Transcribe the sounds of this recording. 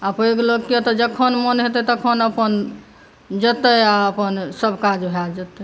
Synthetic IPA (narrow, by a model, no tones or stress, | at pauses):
apəikeloɡket̪ɔd͡ʒəkʰənmənɦet̪ɛt̪əkʰənəpən | d͡ʒət̪əaəpənsəbʱkad͡ʒbʱad͡ʒət̪ɛ